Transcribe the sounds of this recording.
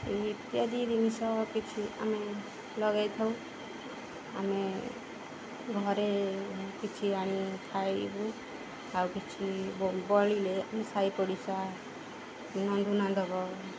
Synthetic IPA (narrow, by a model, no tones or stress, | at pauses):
et̪ijad̪id̪inisɔkit͡ʃʰia̰me | lɔɡajt̪ʰɔw | a̰me | ɡʱɔɾekit͡ʃʰiaɽ̃it̪ʰajbu | awkit͡ʃʰibbɔlilea̰mesaipɔɽisa | nɔd̪ʱunad̪ʱɔɡɔ